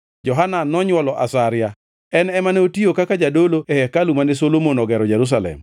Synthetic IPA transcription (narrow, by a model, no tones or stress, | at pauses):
d͡ʒɔɦananɔɲwɔlɔʔa̰saɾɪja | ɛnɛmaneotiokakad͡ʒadoloɛhɛkalumanɛsolomonɔɡɛɾɔd͡ʒɛɾus̬alɛ̰m